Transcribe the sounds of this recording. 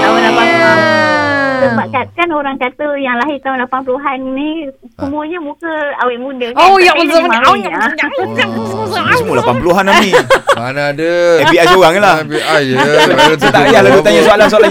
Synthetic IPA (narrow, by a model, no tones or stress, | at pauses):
t̪aʊnlapanpluɦan | d̪əpaʔkat̪kanoɾaŋkat̪əjaŋlaɦɪt̪aʊnlapanpəluɦanːisəmũəɲəmũkəawɪʔmũdəojaʔməəməmaaaa | sumulapanpuluɦanammĩanadəɛpiajsoɣaŋlahaj | sət̪aʔjahlalut̪aɲasualans̬ala